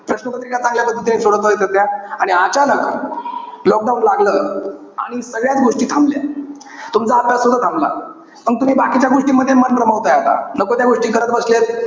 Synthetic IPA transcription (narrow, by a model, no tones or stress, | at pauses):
pɾəɕnəpət̪ɾikat͡sãŋɡljabəd̪ʱːlt̪emisoɽt̪əɦet̪ət̪jaaɽ̃iat͡ɕalək | lɔk̚ɖaũnlaɡləː | a̰ɽ̃isəɡɭjat͡sɡoʂʈiːt̪ʰãmblja̰ | t̪umt͡saːpasud̪ʱːat̪ʰãmbla̰ | məɡ̚t̪um̤iːbakit͡ɕaɡoʂʈiːməd̪ʱːjemənpɾəməʋt̪ajot̪a̰nəkot̪jaɡoʂʈiːkəɾat̪̚bəsljet̪̚